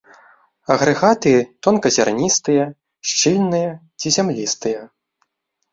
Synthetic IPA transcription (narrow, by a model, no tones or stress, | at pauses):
ɐɣɾɨɣat̪ɨjɛt̪ɔnkɐzʲarnʲist̪ɨjɐ | ʃt͡ʂilʲnɨjɐ | t͡sʲizʲamlʲist̪ɨjɐ